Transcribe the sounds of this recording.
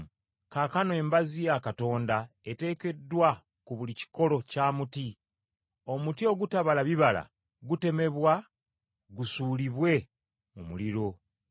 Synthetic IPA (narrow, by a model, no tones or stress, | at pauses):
kaːkanoe̞ːmbazijakato̞ːnda | e̞te̞ːke̞dːwa | kuβulici̥ko̞lo̞caːmuti | o̞mutio̞ɡutaβalaβiβala̰ | ɡute̞me̞βwa | ɡusuːliβwe̞ | mumṵliɾo̞